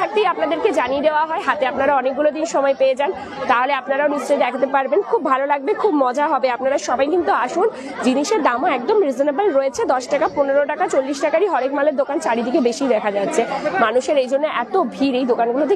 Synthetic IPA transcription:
ak̚t̪ijapnad̪eɾked͡ʑanied̪eoaɦɔeɦat̪eapnaɾaɔnek̚ɡulod̪inʃɔmɔepeed͡ʑan | t̪aɦoleapnaɾaonist͡ɕɔed̪ɛkʰat̪epaɾbenkʰub̚ːʱalolaɡ̚bekʰubmɔd͡ʑaɦɔbeapnaɾaʃɔbajkint̪uaʃun | d͡ʑiniʃeɾd̪amoɛk̚d̪omɾizonabalɾoet͡ɕʰed̪ɔʃʈakaponeɾoʈakat͡ɕolːiʃʈakaɾiɦɔɾekmaleɾd̪okant͡ɕaɽid̪ʱikebeʃijd̪ɛkʰad͡ʑatːɕʰemanuʃeɾejd͡ʑonːeʔɛt̪obʱiɾejd̪okanɡulot̪̬e

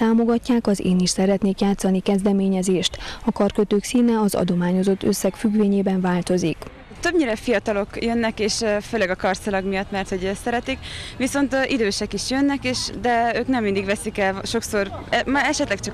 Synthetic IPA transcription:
t̪aːmo̞ɡɒcːaːkɒzḛːniʃsɛɾɛt̪neːkjaːt̪sɒnikɛzd̪ɛmeːɲɛzeːʃt̪ɒkɒrkøt̪øːksiːnɛɒzɒ̰d̪o̞maːɲo̞zo̞t̪ːøsːɛkfyɡʋeːɲeːbɛɱvaːlt̪o̞zik | t̪øbɲiːɾɛfijɒt̪ɒlo̞kjønːɛkeːʃføːlɛɡɒkɒrsilɒɡmijɒt̪ːmɛrt̪ho̞ɟsɛɾɛt̪ikʋiso̞nt̪ʔid̪øːʃɛkiʃjønːɛkeːʃd̪ɛøːknɛmːind̪iɡʋɛsikɛlʃo̞kso̞rɛmɛʃɛt̪lɛkt͡ʃɒ

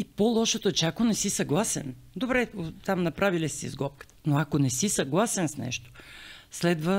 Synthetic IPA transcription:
ipolˠɔʃot̪ot͡ʃɛakonɛsisɐɡlˠasɛ̰n | d̪obɾɛot̪amnɐpɾʔavilisḭzɡɔp̚kə̥t̪ə̥noakonɛsisɐɡlˠasɛnsnɛ̰ʃt̪o̥slɛd̪və

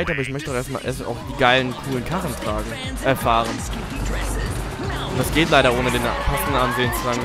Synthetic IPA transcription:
ɪtʔaːbɐɪçmœçtəʊeɐstma̰ːlʔḛɐstaʊxd̥iːɡaɪlənkʰuːlənkʰaχn̩tʁ̥aː | ʔɛɐfaːʁən | ʊd̥asɡ̥eːtlaɪɾɐʔoːnədeːnpʰastn̩anzeːənt͡suzaːɡŋ̩

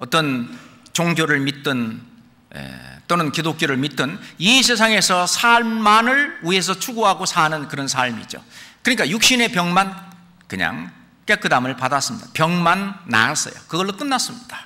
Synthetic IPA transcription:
ʌt͈ʌnt͡ɕoŋɡjoɾɯɭmit̚t͈ɯn | ḛt͈onɯnkidok͈joɾɯɭmit͈ɯnis̬ʰe̞sʰaŋe̞sʰʌsʰaɭmanɯɭue̞s̬ʰʌt͡ɕʰuɡoɦaɡosʰanɯnkɯɾʌnsʰaɭmḭd͡ʑo̰kɯɲik͈ajuk̚ɕ͈ine̞pjʌŋman | kɯɲa̰ŋ | k͈ekʰɯdamɯɭpadas͈ɯmɲid̥apjʌŋmanːa̰s͈ʌ̰jo̰kɯɡʌɭːok͈ɯnːas͈ɯmɲid̥ḁ

